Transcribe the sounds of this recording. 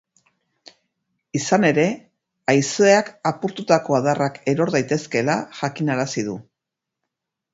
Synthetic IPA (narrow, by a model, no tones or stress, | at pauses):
isane̞ɾe̞ | ajsoeakapuɾt̪ut̪ako̞aðarake̞ɾo̞ɾðajt̪e̞ske̞laʝakinaɾasið̞u